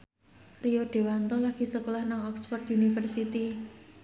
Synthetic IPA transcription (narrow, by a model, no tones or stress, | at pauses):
rioɖ̥e̤want̪ɔlaɡ̥i̤səkolahnaŋɔkspɔrt̪unifərsit̪i